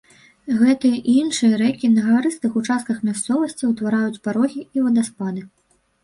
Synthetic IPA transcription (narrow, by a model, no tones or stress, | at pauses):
ɣɛt̪ɨjɐʔinʂɨjɐɾɛkʲinɐɣaɾɨst̪ɨxut͡ʂast̪̚kɐxmʲast̪sɔvɐsʲt͡sʲiwt̪vaɾajut͡sʲpaɾɔɣʲiivɐd̪aspad̪ɨ